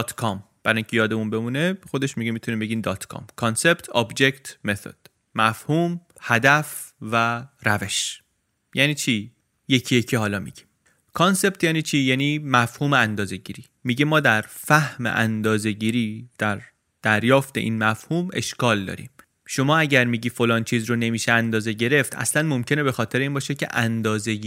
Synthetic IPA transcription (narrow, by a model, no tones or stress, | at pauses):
t̪ʰkʰɒm | b̥æɾɒːjiŋcʰe̞jɒːd̪emunbe̞munexod̪e̞ʃmiɟemit̪ʰunimbe̞ɟiːmd̪ɒːt̪ʰkʰɒ̰ːmkʰɒnse̞pt̪ʰɒbd͡ʒekt̪ʰmet̪ʰo̰d̪̥ | mæfhuːm | hæd̪æf | væɾæve̞ʃ | jæːniːt͡ʃʰiː | jecʰijecʰihɒːlɒːmḭɟim | kʰɒnse̞p̚t̪ʰjæːniːt͡ʃʰiːjæːniːmæfhuːmeænd̪ɒːze̞ɟiːɾiːmiɟemɒːd̪æɾfæhmḛʔænd̪ɒːze̞ɟiːɾiːd̪̥æɾ | d̪̥æɾjɒːft̪e̞ʔḭːnmæfhuːme̞̰ʃkɒːld̪ɒ̰ːɾḭːm | ʃo̞mɒːæɟæɾmiːɟiːfolɒːnt͡ʃʰiːzɾone̞miːʃeænd̪ɒːze̞ɟe̞ɾe̞ft̪ʰæ̰slænmomcʰe̞ne̞bexɒːt̪ʰe̞ɾeiːnbɒːʃecʰḛʔænd̪ɒːze̞i